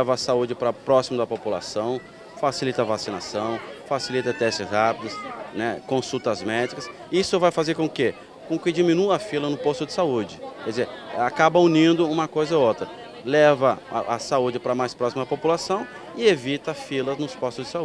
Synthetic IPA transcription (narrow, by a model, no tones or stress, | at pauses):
lɛvɐːsaud͡ʒɪpɾɐpɾɔsimɐd̪ɐpopula̰sɐ̃w̃ | fasilit̪ɐvasina̰sɐ̃w̃fasilit̪ɐt̪ɛsʃt͡ʃɪzhapid̪ɐsnɛkõsut̪ɐzmɛd͡ʒikɐs | isʊvajfazeɾkõke | kõkɪd͡ʒimĩnuɐfilɐnʊpost̪ʊd͡ʒɪsaud͡ʒɪkɛdɪzeɾakabɐunĩnd̪ʊũmɐkojzɐot̪ɾɐ | lɛvɐʔasaud͡ʒɪpɾɐmajspɾɔsimɐd̪ɐpopulasɐ̃w̃ | ɪevit̪ɐfilɐznʊspost̪ʊzd͡ʒɪsau